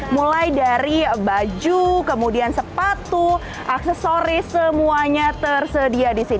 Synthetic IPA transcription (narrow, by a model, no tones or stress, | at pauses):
mulajdaɾibad͡ʒukəmudiansəpat̪u | ʔaksɛsoɾɪsəmuaɲat̪ərsədiadisin